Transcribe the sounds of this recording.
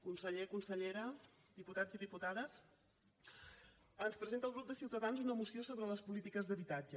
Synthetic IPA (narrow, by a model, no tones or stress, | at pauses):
kunsəʎekunsəʎeɾə | d̪iput̪ad͡ziðiput̪aðəs | ənspɾəzent̪əlˠɣɾup̚d̪əsiwt̪əðanzunəmusiosoβɾələspulit̪ikəzðəβit̪ad͡ʒə